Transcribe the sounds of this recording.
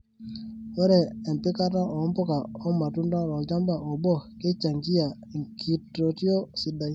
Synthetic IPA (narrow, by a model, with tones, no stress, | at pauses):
wɛ˦ɾɛ˨ɛ˨m˨pe˦ka˦ta˦ʔɔ˨˦mpɔ˦ka˨ɔ˦ma˨tu˦nda˦ɾɔ˨d͡ʒa˦mba˨ɔ˨bɔ˦˨ke˦t͡ʃa˨ŋki˦ja˨ŋkʰi˨tːo˨ti˦ɔ˦si˨da˨˦˨